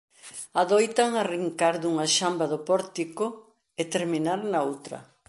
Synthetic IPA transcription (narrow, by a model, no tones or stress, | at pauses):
aðojt̪aŋariŋkaɾðuŋaʃambaðopɔɾt̪ikʊ | et̪eɾminaɾnaowt̪ɾɐ̰